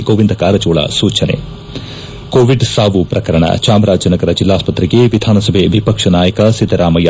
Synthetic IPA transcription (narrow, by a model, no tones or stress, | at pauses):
ɡoːʋind̪ɐkaːɾɐd͡ʒoːɭɐ̰suːt͡ʃɐnḛ | koːʋiɖsaːʋupɾɐkɐɾɐɳɐ̰t͡ʃaːmɾaːd͡ʒɐnɐɡɐɾɐd͡ʒilːaːspɐt̪ɾiɡeʋid̪ʱaːnɐsɐbʱeʋipɐkʂɐnaːjɐkɐsid̪ʱːɐɾaːmɐja